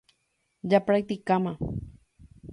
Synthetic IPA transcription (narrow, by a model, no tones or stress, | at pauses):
japɾajt̪ikama